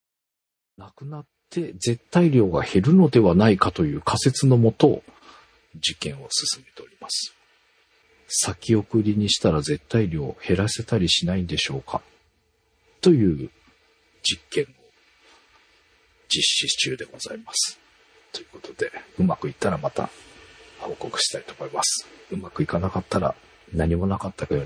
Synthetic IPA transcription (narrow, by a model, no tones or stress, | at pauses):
nakɯ̟nat̪ʰːe̞d͡ze̞t̪ːaiɾʲo̞ːɡa̰he̞ɾɯ̟no̞d̪e̞βanaikat̪o̞jɯ̟ːkʰase̞t͡sɨno̞mo̞t̪o̞ | d͡ʑikẽ̞ɰ̃o̞sɨ̥sɨmet̪e̞o̞ɾʲimasɨ̥ | sakʲio̞kɯ̟ɾʲiɲ̟iɕi̥t̪aɾaze̞t̪ːaiɾʲo̞̰ːhe̞ɾase̞t̪aɾʲiɕinaid̪e̞ɕo̞ːkʰa | t̪o̞jɯ̟ː | d͡ʑikːẽ̞ɰ̃o̞ | d͡ʑiɕːit͡ɕɨːd̪e̞ɡo̞zaimasɨ̥ | t̪o̞jɯ̟ko̞̥t̪o̞d̪e̞ɯ̟makɯ̟it̪ːaɾamat̪a̰ | ho̞ːko̞kɯ̟̥ɕi̥t̪ait̪o̞ːmo̞imasɨ̥ɯ̟makɯ̟ikanakat̪ʰːaɾa̰ | naɲ̟imo̞nakat̪ːakajo